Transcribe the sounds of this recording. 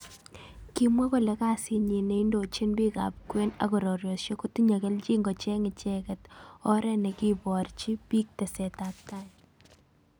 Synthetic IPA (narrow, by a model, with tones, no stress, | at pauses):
ki˦mwa˦kɔ˨lɛ˨˦ka˦sɪ˦ɲi˨ne˨˦i˦ndo˨t͡ʃi˦nbi˦ka̰˨p̚kwe˦na̰˨kɔ˨ɾɔ˨ɾjo˨ʃjo˦ku˦ti˦ɲa˨kɛ˦lt͡ʃi˦ŋɡɔ˨t͡ʃɛ˦ŋɪ˨t͡ʃɛ˦kɛ˨tɔ˦ɾɛ˦nɛ˨ki˦bɔ˨ɾt͡ʃi˦pi˦k̚tɛ˨sɛ˨ta˨k̚ta˦